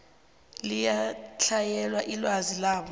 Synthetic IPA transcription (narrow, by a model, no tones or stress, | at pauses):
lijat͡ɬʰajɛlwaʔilwazilaːɓɔ